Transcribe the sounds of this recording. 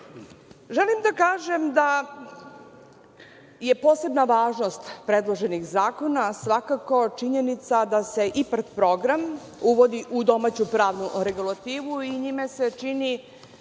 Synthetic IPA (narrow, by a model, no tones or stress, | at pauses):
ʒelimd̪akaːʒe̞md̪a | je̞po̞ːse̞bnaʋaːʒno̞st̪pɾe̞d̪lˠoʒe̞nixzaːko̞nasʋakako̞t͡ʃiɲenit̪sad̪ase̞ʔiprt̪pɾo̞ɡɾam | uʋo̞d̪iʔud̪o̞mat͡ɕupɾaːʋnuɾe̞ɡulˠat̪iːʋuiɲimese̞t͡ʃini